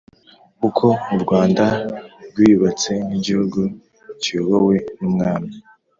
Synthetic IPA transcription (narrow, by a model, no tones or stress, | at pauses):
kukʰo̞muɾɡwaːndaɾɡwiːuβat͡se̞niɟihuɡu | cioβowe̞numŋaːmi